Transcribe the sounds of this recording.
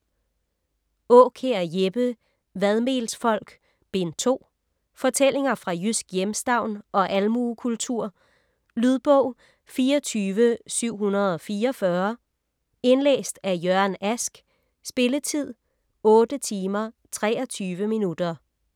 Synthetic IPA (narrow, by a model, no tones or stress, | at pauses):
ɔːkʰeɐjeb̥ə | ʋæð̞ˠme̝̰ːlsfɒ̽l̰ɡ̥ | b̥e̝nt͡sʰo̝̰ː | fɒ̽t͡sʰel̰e̝ŋɐfʁɑ̈jysɡ̥jemsd̥ɑ̈ʊ̰nʔɒ̽ʔælmuːkʰult͡sʰuɐ̰ | lyðˠb̥ɔ̽ʊ̰ | fiːɒt͡sʰyːʋəsyʊ̰ɦunɐð̩ˠɒ̽fiːɐɒfɶɐ | e̝nlḛːsd̥æjøɐ̰næsɡ̥ | sb̥e̝lət͡sʰið̞̰ˠ | ɔ̽ːd̥ət͡sʰiːmɐ | t͡sʰʁɛ̰ːɐ̽t͡sʰyːʋəminud̥ɐ